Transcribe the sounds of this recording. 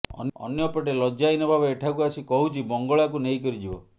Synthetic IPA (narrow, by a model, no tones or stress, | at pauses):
ɔ̰nɔ̰njɔpɔʈ̬elɔd͡ʒajnɔbʱabeeʈʰakuasikɔɦut͡ʃʰibɔŋɡɔɭakunejkɔɾid͡ʒibɔ